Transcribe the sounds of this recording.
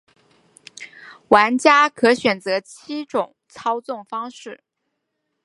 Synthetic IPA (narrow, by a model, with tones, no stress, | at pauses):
wa˧˥nt͡ɕja˥kʰɤ˧˥ɕɥɛ˨˩nt͡sɤ˧˥t͡ɕʰi˥ʈ͡ʂʊ˨˩˦ŋt͡sʰɑ˥ʊt͡sʊ˥˩ŋfɑ˥ŋʂɻ̩˥˩